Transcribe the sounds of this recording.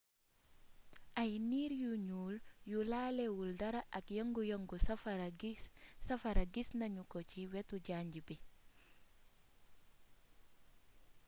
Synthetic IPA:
ʔajniːɾjuɲuːljulaːlewuldɐɾaʔɐkjɔŋɡujoŋɡusɾɡisafaɾaɡisnaɲukociwɛtuɟaːɲɟibi

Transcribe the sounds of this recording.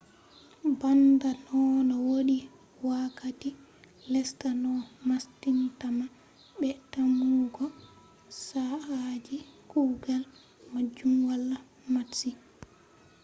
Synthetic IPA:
bandanɔnɔwoɗi | wakati | lɛstanɔmastintama | ɓɛtamuɡɔ | saad͡ʒikuːɡal | mad͡ʒumwalːa | masi

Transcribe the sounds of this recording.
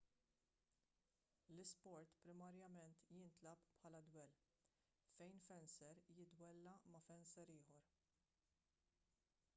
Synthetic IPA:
lɪspɔɾt̪pɾɪmɐɾjɐmɛnt̪jɪnt̪lɐppħɐːlɐd̪wɛl | fɛjnfɛnsɛɾjɪd̪wɛlːɐmɐfɛnsɛɾɪːħɔɾ

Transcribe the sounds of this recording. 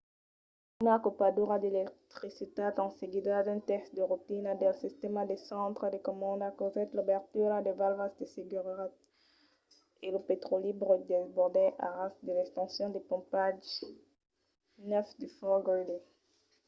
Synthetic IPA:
maʁkopad̪uʁad̪elɛk̚t̪χisit̪at̪ɑ̃seɡid̪ad̪ɛ̃t̪ɛsd̪əʁut̪inad̪ɛlsist̪emad̪esɑ̃t̪χəd̪ekɔmɑ̃d̪akozɛt̪lubɛʁt̪yʁad̪evalvasd̪eseɡyʁʁat̪ | eləpet̪χolibʁəd̪ezbɔʁd̪ɛʔa̰ʁasd̪əlɛkst̪ɑ̃sjɔ̃d̪epɔ̃paʒ | nœfd̪yfɔʁɡɔd̪e

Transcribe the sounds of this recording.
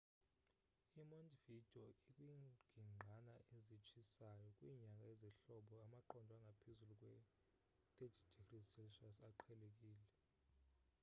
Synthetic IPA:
imondʼvid̥ʱɔikʼwiɡ̥ʱiŋ͡ǃʱanaʔezit͡ʃʰʼisajɔkʼwiːɲakʼaɛziɬɔɓɔamaǃɔndʱwaŋɡʱapʰezulukʼwɛ | tʼed͡ʒdʱikrisɛlʃasaǃʰɛlek̬ʼiːlɛ

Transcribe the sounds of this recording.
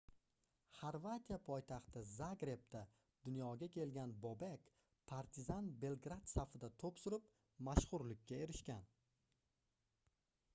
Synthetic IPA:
χaɾvat̪ijapʰɔjt̪ʰɑχt̪ʰɪzaɡɾe̞p̚t̪ʰa | d̪ʊnjɒɡʲakʲʰe̞lɡʲanbobekʲ | pʰaɾt̪ʰɪzanbe̞lˠɡɾat̪safɪd̪at̪ʰopsʊɾɪp̚ | maʃχʊɾlɪkʲːae̞ɾɪʃkʲan

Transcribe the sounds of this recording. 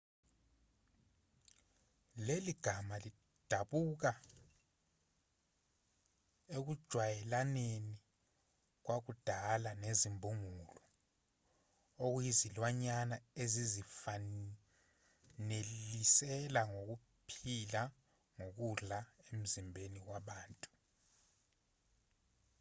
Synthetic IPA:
leliɡ̥ʱamali | d̥ʱaɓuk̬a | ek̬ud̥ʒ̥ʱwajɛlaneni | k̬wak̬ud̥ʱalanezimbʱuŋulɔ | ok̬ujizilwaɲanaezizifa | nelisɛlaŋok̬u | pʰila | ŋok̬uɮaem̩zimbʱenik̬waɓaːntʼu

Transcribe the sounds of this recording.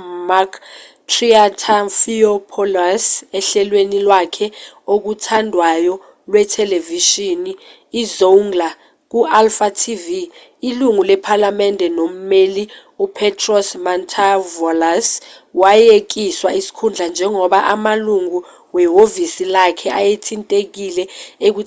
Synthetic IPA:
makʰ | tʰriatʰafiɔpʰɔlasɛɬɛlwenilwakʰɛok̬utʰandʱwajɔ | lwɛtʰɛleviʃiniː | zoŋɡla | k̬uʔalfatʰiviː | luŋulɛpʰalamɛndʱɛnom̩meli | upʰɛtʰrɔsmantʰavɔlas | wajek̬iswaisi̥kʰund͡ɮʱand͡ʒʱɛŋɔɓaʔamaluŋu | wɛɦovisilakʰɛʔajetʰintʼek̬ilɛek̬u

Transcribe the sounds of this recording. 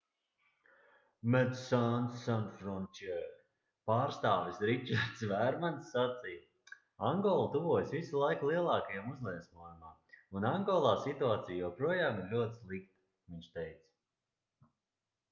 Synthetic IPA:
mɛd̪sansːanfɾɔnt͡ʃɛ | paːɾst̪aːvisɾit͡ʃaɾt̪svæɾmansːat̪sij | aŋɡɔlˠt̪uvuɔjsvisulˠajklˠiɛlˠɑːkajamuzlˠiɛsmuɔjumaːunaŋɡɔlˠaːsit̪uaːt̪sijjɛpɾuɔjaːmiɾlʲuɔt̪slˠikt̪ | viɲʲʃt̪ɛjt̪s

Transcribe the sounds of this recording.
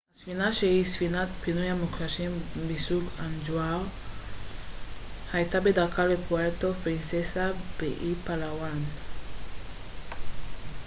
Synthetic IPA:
asfinaʃeisfinatpinojamokɾasɛ̃bisukãnd͡ʒwaw | haetabedakalepuɛtofɾĩnsɛsabeʔipalawan

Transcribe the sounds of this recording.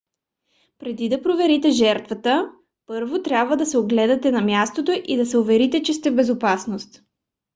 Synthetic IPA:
pɾɛd̪id̪ɐpɾovɛɾit̪ɛʒɛɾt̪vɐt̪ə | pɤɾvot̪ɾʲabvəd̪ɐsɛoɡlɛd̪ɐt̪ɛnɐmjast̪ot̪oʔid̪ɐsɛʊvɛɾit̪ɛt͡ʃɛs̬t̪ɛvbɛzopasnost̪

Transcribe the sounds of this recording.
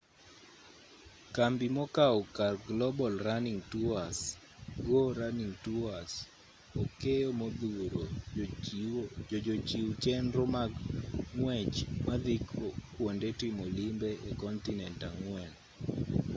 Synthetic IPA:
kambimɔkaɔkarɡlɔbɔlraniŋtuas | ɡoɾaniŋtuas | ɔkejomod̪uɾo | d͡ʒot͡ʃiwt͡ʃɛnɾɔmaŋwɛt͡ʃmad̪ikʰokwondetimolimbeekɔntinɛntaŋwɛn

